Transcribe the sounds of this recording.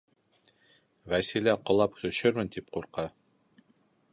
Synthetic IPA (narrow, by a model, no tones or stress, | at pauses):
væsilæqŏlˠɑpt̪ɵ̆ʃɘɾmɘnt̪ip̚quɾqɑ